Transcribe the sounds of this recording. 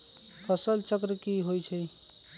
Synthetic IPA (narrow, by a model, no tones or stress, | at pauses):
pʰəsəlt͡ʃəkɾəkiɦojt͡ʃʰə